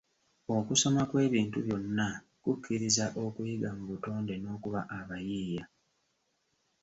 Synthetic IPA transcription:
o̞kuso̞makwe̞ːβiːntuβjo̞nːa | kukʰːiɾizaʔo̞kujiɡamuβuto̞ːnde̞no̞ːkuβaʔaβajiːja

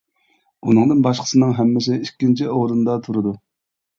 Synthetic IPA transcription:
unɨŋd̪ɨnbɑʃqʰə̥sɨnɨŋɦɛmːɪsɪikʲːint͡ʃʰioɾɨnd̪ɑt̪ʰuɾɨd̪u

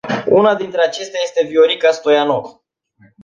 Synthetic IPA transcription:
unad̪int̪ɾeat͡ʃe̞st̪eaje̞st̪e̞vioɾikast̪o̞janov

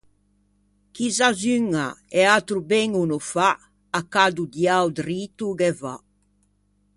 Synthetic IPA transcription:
kizazyŋaɛat̪ɾubɛŋunufa | akad̪ud̪jawd̪riːt̪uɡɛva

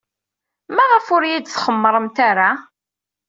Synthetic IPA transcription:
mæʁəfʊɾjid̪θχəmːɾˤəmt̪aɾa

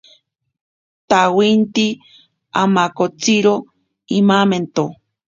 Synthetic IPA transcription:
t̪awint̪i | amakot͡siɾo | imament̪o

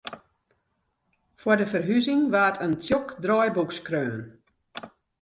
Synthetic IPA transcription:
fwɔrdəfərɦyzɪŋʋaːtʰəntjokdrɔjbukskrøːn

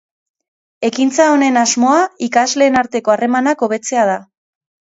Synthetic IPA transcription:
e̞kint͡sao̞ne̞nazmo̞aikazle̞ːnaɾt̪e̞ko̞are̞manako̞β̞e̞t͡se̞að̞a

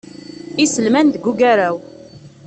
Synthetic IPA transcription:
isəlmænðəɡuɡæɾæw

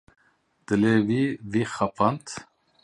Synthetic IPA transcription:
d̪̥əlevivixapʰant̪

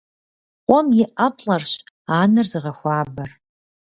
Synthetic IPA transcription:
qʷɔmjɪʔɐpʰɬʼɐrɕ | aːnɨrzɨʁɐxʷaːbɐr

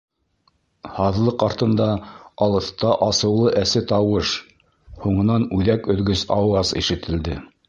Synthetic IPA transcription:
hɑðlˠɤqɑɾt̪ɤ̆nd̪ɑɑlˠɤ̆θt̪ɑʔɑsɤ̆wlˠɤʔæsɘt̪ɑwɤʃ | huɴɤ̆nɑnʉðækɵ̆ðɡɵsɑwɑzḭʃɘ̆t̪ʰɘ̆ld̪ɘ

